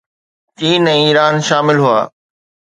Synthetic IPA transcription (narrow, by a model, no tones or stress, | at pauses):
t͡ɕiːnɛ̃ːiːɾaːnʃaːmɪlɦua̰ː